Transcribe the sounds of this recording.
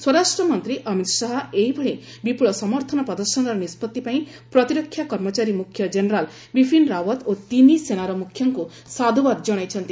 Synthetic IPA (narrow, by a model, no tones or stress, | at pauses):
swɔɾasʈɾɔmɔnt̪ɾiʔʌmit̪saɦɔeɦibʱɔɭe | bipuɭɔsɔmɔɾt̪ʰɔnɔpɔd̪ɔɾʃɔnɔɾɔnispɔt̪ːipaĩ | pɾɔt̪iɾɔkʰːjakɔɾmɔt͡ʃaɾimukʰjɔd͡ʒenɾal | bipʰinɾawɔt̪ot̪inisenaɾɔmukʰjɔŋku | sad̪ʱuwaɾd͡ʒɔɽ̃ajt͡ʃʰɔnt̪i